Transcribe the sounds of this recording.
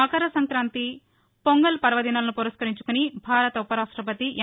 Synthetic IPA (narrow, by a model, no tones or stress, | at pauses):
ɐkɐɾɐsɐŋkɾaːnt̪i | poŋɡɐlpɐɾʋɐd̪inɐlɐnupuɾɐskɐɾiɲt͡ʃu̥kunibʱaːɾɐt̪ɐupɐɾaːʂʈɾɐp̬ɐt̪iʔɐ